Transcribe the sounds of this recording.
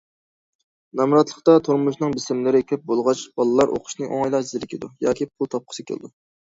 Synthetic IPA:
nɑmɾɑt̪lˠəχt̪ɑt̪ʰuɾmuʃnɨŋbɪsɪmlɪɾɪkʲʰɾɪp̚bolˠʁɑt͡ʃb̥ɑlˠɨlˠɑɾʔo̰qʰʊ̥ʃnɨʔo̰ŋɑjlˠɑzɪɾɪkʲid̪ujɑːkʲʰipʰʊlˠt̪ʰɑp̚qʰə̥sɨkʲʰḛl̰ˠd̪u

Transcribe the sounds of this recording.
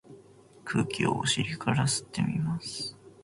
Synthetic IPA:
kʰɯ̟ːkʲio̰oɕiɾʲikʰaɾasɨ̥t̪ːe̞mʲimasɨ̥

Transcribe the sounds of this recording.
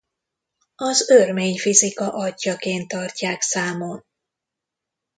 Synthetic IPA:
ɒzørmeːɲfizikɒʔɒɟːɒkeːnt̪ːɒrcaːksaːmol

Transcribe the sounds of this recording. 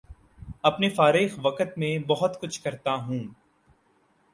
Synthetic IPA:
ɐpnefaːɾɪːxʋɐkət̪mẽbɐɦʊt̪kʊt͡ʃʰkɐɾt̪aɦũː

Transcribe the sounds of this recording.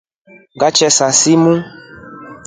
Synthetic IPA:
ɡat͡ʃɛsasimũ

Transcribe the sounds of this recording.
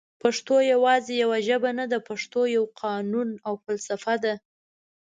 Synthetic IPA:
paʂt̪ojawɑzejawaʒəbanad̪apaʂt̪ojawqʰɑnunawfalsafad̪a

